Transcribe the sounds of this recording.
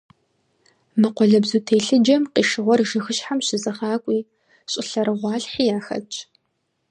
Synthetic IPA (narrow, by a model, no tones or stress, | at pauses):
mɨqʷɔɮɐbzuːtʰeːɬɨd͡ʒɐmqiːʂɨʁʷɔrʒɨxɨʃħamɕɪzɐχɑːkʷʼiː | ɕʼɪɬɐɾɨʁʷɑːɬħiːjaːxɐ̰t͡ʃʼ